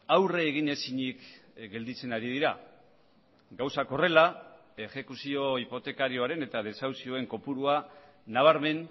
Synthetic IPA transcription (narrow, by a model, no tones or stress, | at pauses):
awreːɣ̞iɲe̞siɲikɡe̞ld̪it͡se̞naɾið̞iɾa | ɡawsako̞re̞la | e̞xe̞kusio̞ipo̞t̪e̞kaɾio̞aɾe̞ne̞t̪að̞e̞sawsio̞e̞ŋko̞puɾua | naβ̞aɾme̞n